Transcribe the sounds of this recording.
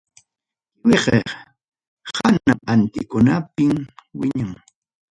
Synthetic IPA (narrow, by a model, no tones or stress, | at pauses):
wɪɢe | hanaant̪ɪkʊnapɪmwɪɲaŋ